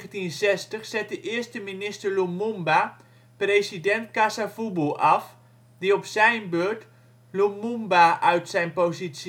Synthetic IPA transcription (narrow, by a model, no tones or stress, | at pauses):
əntinzɛstəχsɛt̚dəʔɪəɹstəminɪstəɹlumumba | prejsidɛntkasafubulˠɑf | diɔpsɛjnbøɹt | lumumbaʔœɥtsɛjnpozits